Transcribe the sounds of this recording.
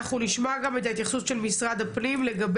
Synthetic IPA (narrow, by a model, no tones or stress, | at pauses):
χuliʃmoɡame̞t̪aet̪jaχsusʃelmisʁad̪aplimleɡab